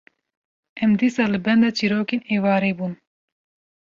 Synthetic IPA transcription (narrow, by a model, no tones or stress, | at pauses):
ʔɛmd̪isɑːlɨbɛnd̪ɑt͡ʃʰiɾoːkeːneːvɑːɾeːbuːn